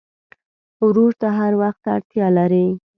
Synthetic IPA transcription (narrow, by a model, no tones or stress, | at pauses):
wɾoɾt̪aɦaɾwaxt̪a̰ɽt̪jɑlaɾi